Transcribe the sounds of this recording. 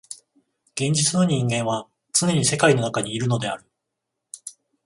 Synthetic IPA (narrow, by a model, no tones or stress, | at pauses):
ɡ̥ẽ̞ɲ̟d͡ʑit͡sɨno̞ɲ̟ĩŋɡẽ̞ɰ̃βa | t͡sɨne̞ɲ̟ise̞kaino̞nakaɲ̟iːɾɯ̟no̞d̪e̞a̰ɾɯ̟